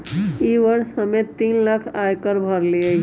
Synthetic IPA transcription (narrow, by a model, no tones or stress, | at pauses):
iʋəɾsɦəmẽt̪iːnləkʰajkəɾbʱəɾlie